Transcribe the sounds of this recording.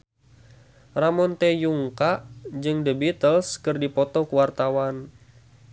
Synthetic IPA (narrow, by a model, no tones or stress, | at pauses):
ramɔnt̪ɛjuŋkaʔd͡ʒɨŋdəbit̪əlskɨrdipɔt̪ɔkuwart̪awan